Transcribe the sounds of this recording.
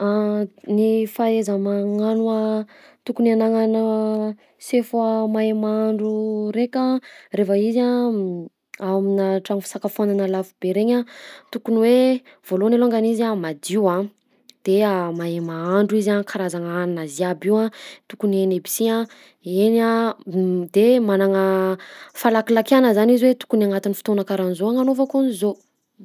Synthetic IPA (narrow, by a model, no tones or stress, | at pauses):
anifaezəmaŋanua | t̪ukunianaŋanə | sefuamaemaɳɖ͡ʐuɾekʲarefəiza | aminaʈ͡ʂaŋifi̥sakafananəlafubeɾeɲat̪ukuniwe | v̥olonelaŋɡanizamad̪iwã | d̪̥eamaemaaɳɖ͡ʐuizakʰaɾazaŋaninaziabiwãt̪ukunenebi̥siã | ena | d̪̥emanaŋə | falakilakanəzaniziwet̪u̥kunaŋat̪inifi̥t̪onakaɾanizoaŋanofakonizo